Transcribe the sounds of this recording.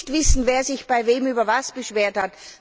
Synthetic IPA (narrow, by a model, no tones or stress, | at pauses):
tv̥ɪsn̩veːɐzɪçb̥aɪveːmyːbɐvasb̥əʃv̥eːɐthat